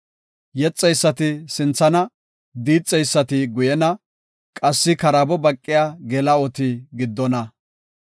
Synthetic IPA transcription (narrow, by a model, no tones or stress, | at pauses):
jɛt͡sʼːɛjsːɐt̪ɪsɪnt͡sːɐnɐ | d̪iːt͡sʼːɛjsːɐt̪ɪɡʊjɛnɐ | kʼɐsːɪkɐɾɐbɔbɐkʼːɪjaːɡɛlɐɔt̪ɪɡɪd̪ːɔnɐ